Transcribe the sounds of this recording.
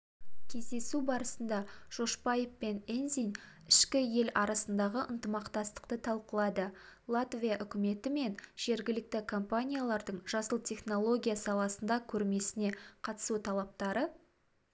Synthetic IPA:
kʲʰe̞zd̪e̞subɑɾəsənd̪ɑʒ̥o̞ʃpajefpe̞nenzin | ɪʃkʲɪje̞lɑɾɑsənd̪ɑʁəʔənt̪əmɑqt̪ɑst̪ə̥qt̪ət̪ʰɑlˠqəlˠɑd̪əlˠat̪vʲijaʔʏkʲɪme̞t̪ɪme̞nʒ̥e̞ɾɡʲɪlɪk̚t̪ɪkʰompanʲijalˠɑɾd̪əɴʒɑsəlˠt̪ʲʰe̞χno̞lˠo̞ɡʲijasɑlˠɑsənd̪ɑkʲʰɵɾme̞sɪne̞qʰɑt̪ə̥sut̪ʰɑlˠɑp̚t̪ɑɾə

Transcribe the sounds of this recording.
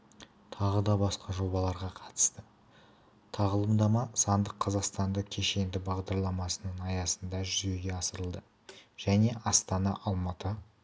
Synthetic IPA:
t̪ʰɑʁəd̪ɑbɑsqɑʒo̞bɑlˠɑɾʁɑqʰɑ̥t̪ə̥st̪ə | t̪ʰɑʁəlˠəmd̪ɑmɑsɑnd̪əqʰːɑzɑqst̪ɑnd̪əkʲʰe̞ʃe̞nd̪ɪbɑʁd̪ɑɾlˠɑmɑsənənɑjɑsənd̪ɑʒʏze̞ɡʲe̞ɑsəɾəlˠd̪ə | ʒ̥æne̞ʔɑst̪ɑnɑ̰ʔɑlˠmɑt̪ə

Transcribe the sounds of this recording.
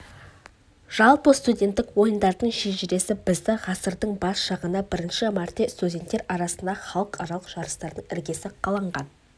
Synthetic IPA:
ʒ̥ɑlˠpəst̪udʲe̞nt̪ːɪkwo̞jənd̪ɑɾd̪əɴʃeʒɪɾe̞sɪbɪzd̪ɪʁɑsəɾd̪əɴbɑsʃɑʁənəbɪɾɪnʃɪmɑɾt̪ʲːest̪udʲe̞nt̪ːeɾɑɾɑsənd̪ɑχɑlˠəqɑɾɑlˠəqʒ̥ɑɾəst̪ɑɾd̪əɴɪɾɡʲe̞sɪqʰɑlˠɑɴʁɑn

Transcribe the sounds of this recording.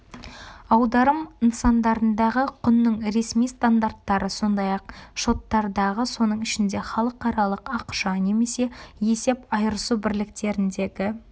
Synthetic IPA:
ɑwd̪ɑɾəmənsɑnd̪ɑɾənd̪ɑʁəqʰʊnːəɴɾe̞smijst̪and̪art̪ːɑɾəso̞nd̪ɑjɑq̚ʃo̞t̪ːɑɾd̪ɑʁəso̞nəɴɪʃɪnd̪e̞χɑlˠəqːɑɾɑlˠəqɑqʃɑne̞me̞se̞je̞se̞pɑjɾəsubɪɾlɪk̚t̪e̞ɾɪnd̪e̞ɡʲɪ

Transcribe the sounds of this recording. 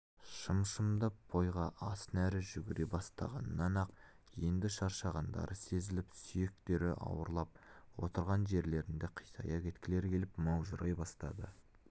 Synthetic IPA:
ʃəmʃəmd̪əb̥o̞jʁɑʔɑsnæɾɪʒʏɡʲɪɾebɑst̪ɑ̰ʁɑ̰nnːɑnɑq | je̞nd̪ɪʃɑɾʃɑʁɑnd̪ɑ̰ɾʔəse̞zɪlɪpsʏje̞k̚t̪e̞ɾɪ̰ʔɑ̰wəɾlˠɑp̚wo̞t̪əɾʁɑnʒe̞ɾle̞ɾɪnd̪eqʰijsɑ̰jɑkʲʰe̞t̪kʲɪle̞ɾkʲʰe̞lɪpmɑwʒəɾʔɑjbɑst̪ɑd̪ə

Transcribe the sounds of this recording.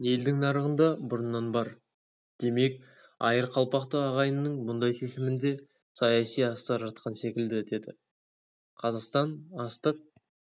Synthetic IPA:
je̞ld̪ɪŋnɑɾəʁənd̪ɑbʊɾənːɑnbɑɾ | d̪̥e̞me̞k | ɑ̰jəɾqʰɑlˠpɑqt̪əɑʁɑjənːəɴmʊnd̪ɑjsesɪmɪnd̪e̞ | sɑjɑsijɑst̪ɑɾʒɑt̪̚qʰɑnse̞kʲɪld̪ɪd̪e̞d̪ɪ | qʰɑzɑqst̪ɑnɑst̪əq̚

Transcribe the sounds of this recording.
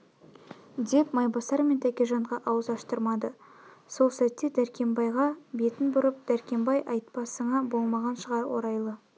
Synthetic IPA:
d̪e̞pmɑjbɑsɑɾment̪ʰækʲeʒɑɴʁɑʔɑwəzɑʃt̪əɾmɑd̪əso̞lˠsæt̪ːed̪æɾkʲʰe̞mbɑjʁɑbe̞t̪ɪnbʊɾəp̚d̪̥æɾkʲe̞mbɑjʔɑjt̪̚pɑsəɴɑbo̞lˠmɑʁɑnʃəʁɑɾwo̞̰ɾɑjlˠə

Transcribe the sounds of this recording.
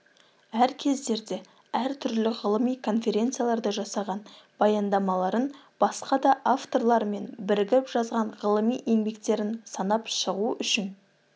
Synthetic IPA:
æɾkʲʰe̞zd̪e̞ɾd̪e̞ | æɾt̪ʰʏɾlɪʁəlˠəmijkʰo̞nfe̞ɾʲe̞nt̪sɨjalˠɑɾd̪əʒɑsɑʁɑn | b̥ɑjɑnd̪ɑmɑlˠɑɾən | b̥ɑsqɑd̪ɑʔaft̪o̞rlˠɑɾme̞nbɪɾɡʲɪpʒ̥ɑzʁɑɴʁəlˠəmijʔe̞ŋbe̞kt̪e̞ɾɪnsɑnɑpʃəʁuʔʏʃɪn

